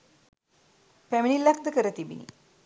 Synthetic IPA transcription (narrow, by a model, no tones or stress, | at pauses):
pæminilːak̚d̪əkəɾət̪ibḭnḭ